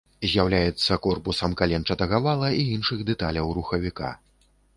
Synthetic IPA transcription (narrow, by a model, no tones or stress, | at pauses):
zʲjawlʲajɛt̪sːɐkɔrpusɐmkalʲɛnt͡ʂɐt̪ɐɣavalˠɐʔiinʂɨɣd̪ɛt̪alʲɐwɾuxɐvʲika̰